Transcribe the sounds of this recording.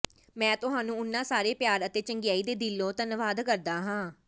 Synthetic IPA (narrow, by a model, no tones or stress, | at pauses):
mɛ̃ːt̪ʊɦaːnũːʊnːãːsaːɾeːpjaːɾət̪eːt͡ʃəŋɡɪjaːiːd̪eːd̪ɪlːõːt̪ənʋaːd̪kəɾd̪aːɦãː